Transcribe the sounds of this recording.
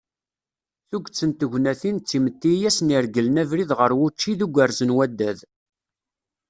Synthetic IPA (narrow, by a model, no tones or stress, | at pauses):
θuɡt͡sːənt̪əʝʷnæθint͡sːimət̪ːijæsniɾɡəlnævɾiðʁəɾwʊt͡ʃːiðuɡʷəɾzənwæd̪ːæð